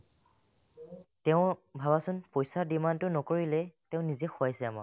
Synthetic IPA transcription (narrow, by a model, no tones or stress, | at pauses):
tɛʊ̃bʱabasʊnpojsadimantʊnɔkoɹilɛtɛʊ̃nizɛxoajsɛama̰